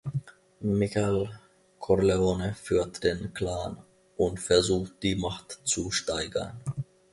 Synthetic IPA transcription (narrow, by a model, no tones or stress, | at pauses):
mɪçal | kʰɔʁleoːnəfyːɐtd̥eːnklaːn | ʔʊntfɛɐzuːxt̚d̥iːmaχtt͡suʃtaɪɡɐ̰n